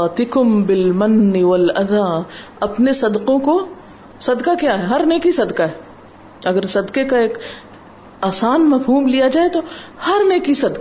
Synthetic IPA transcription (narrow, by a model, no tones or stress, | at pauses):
t̪ɪkʊmbɪlmɐnːɪwɐlɐd̪aː | ɐpnesɐd̪qõko | sɐd̪kakjaːɦɛɦɐɾneːkisɐd̪kaɦɛː | ɐɡəɾsɐd̪kekaeːk | aːsaːnmɐfɦuːmlijad͡ʒaːet̪ohɐɾneːkisɐd̪ka